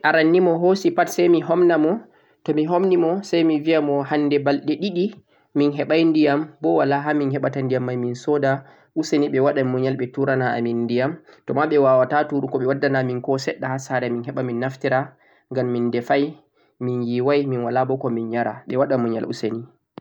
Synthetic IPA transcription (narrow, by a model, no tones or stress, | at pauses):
ʔaɾanːimɔɦosipatsajmiɦɔmnamɔ | tɔmiɦomnimɔsajmiviamɔhandɛbalɗɛɗiɗi | minɦɛɓajndijambɔwalaɦaminhɛɓatandijamːajminsɔda | ʔuseniɓɛwaɗamuɲalɓɛtuɾanaa̰minːdijamtɔmaɓɛwawatatuɾukɔɓɛwadːanaminkɔsɛɗːahasaɾɛminɦɛɓaminːaftiɾa | ŋɡamːindɛfaj | minjiwajminwalabɔkɔminɲaɾa̰ɓɛwaɗamɔɲa̰lṵseni